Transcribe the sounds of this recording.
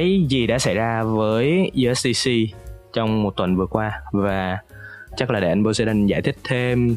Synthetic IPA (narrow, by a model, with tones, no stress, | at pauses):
a˨˦jzi˨˩ɗa̰ː˧˥sa˧˩jzaː˧vəː˨˦jʔu˧ʔɛ˦˥sɗi˧si˧t͡ɕɔ˧wŋ͡mmo˨˩t̚t̪wə˨˩nvɨ˨˩əkwaː˧vaː˨˩ | t͡ɕə˦˥k̚laː˨˩ɗ̰jʔa˧ŋ̟ɓo˧se˧ɗa˧nzaː˧˩jt̪ʰï˦˥k̟̚t̪ʰe˧m